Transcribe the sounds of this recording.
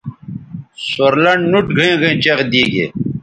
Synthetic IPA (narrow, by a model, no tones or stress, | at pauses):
soɾlɐɳɖnuʈɡʱəẽːɡʱɐẽːt͡ɕɐɣd̪iːɡḛː